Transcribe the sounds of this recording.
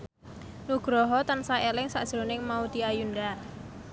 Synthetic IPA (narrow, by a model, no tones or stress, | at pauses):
nuɡ̥ɾɔɦɔt̪ansaelɪŋsaʔd̥ʒ̥ɾonɪŋmaud̪iajunda